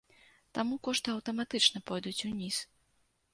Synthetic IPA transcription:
t̪amukɔʂt̪ɨɐwt̪ɐmat̪ɨt͡ʂnɐpɔjd̪ut͡sʲunʲis

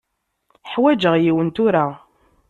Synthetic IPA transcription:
ħwæd͡ʒəʁjiwənt̪ʊɾa

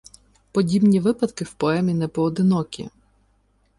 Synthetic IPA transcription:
pɔdʲibnʲiʋɪpɐd̪kɪwpɔɛmʲinɛpɔːd̪ɪnɔkʲḭ

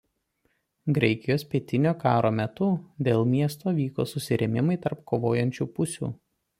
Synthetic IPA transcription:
ɡɾʲɛɪkʲɪjoːspʲiɛt̪ʲɪnʲoːkɑːɾoːmʲɛt̪ʊd̪ʲeːlˠmʲiɛst̪oːʋʲiːko̰ːsʊsʲɪɾʲɛmʲɪmɐɪt̪ɐɾpkoːʋoːjɛnʲt͡ʃʲuːpʊsʲṵː

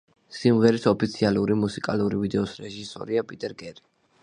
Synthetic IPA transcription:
simʁɛɾisɔpʰit̪sʰialuɾimusikʼaluɾivid̪ɛɔsɾɛʒisɔ̰ɾiapʼit̪ʼɛɾɡʼɛɾi

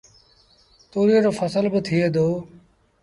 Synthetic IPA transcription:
t̪oːɾioɾoːfʰəsəlbət̪ʰɪeːd̪oː

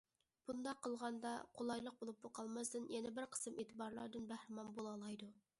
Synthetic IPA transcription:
b̥und̪ɑqʰːəlˠʁɑnd̪ɑqʰolˠɑjlˠəq̚bolˠup̚boqʰɑlˠmɑsd̪ɨnjɛnɪbɪɾqʰə̥sɨmeːt̪ʰɨbɑɾlˠɑ̰ɾd̪ɨnbæhɾɪmɑnbolˠɑlˠɑjd̪u

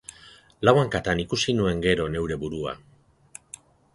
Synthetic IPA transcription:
lawaŋkat̪anikusinue̞ŋɡe̞ɾo̞ne̞wɾe̞βuɾua̰

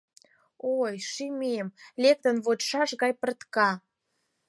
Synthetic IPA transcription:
ojʃimemlek̚t̪ənβot͡ɕʃɑʃɣɑjpərt̪kɑ

